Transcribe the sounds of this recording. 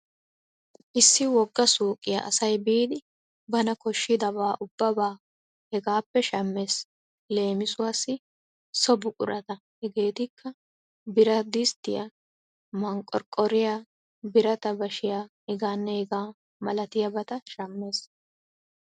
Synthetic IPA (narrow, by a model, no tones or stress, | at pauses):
ʔɪsːɪwɔɡːɐsuːkʼːɪjɐ̰ʔɐ̰sɐjbiːd̪ɪ | bɐnɐkɔʃːɪd̪ɐbaːʔʊb̥ːɐbaː | hɛɡaːpːɛʃɐmːe̞ːs | le̞ːmɪsʊwaːsːɪ | sɔbʊkʼʊ̰ɾʔɐt̪ɐ | hɛɡe̞ːt̪ɪkʰːɐ | bɪɾɐd̪ɪst̪ɪjɐ̰ | mɐŋkʼːɔ̰ɾkʼːɔɾɪjaː | bɪɾɐt̪ɐbɐʃɪjaːhɛɡaːnːɛhɛɡaː | mɐlɐt̪ɪjɐbɐt̪ɐʃɐmːe̞ːs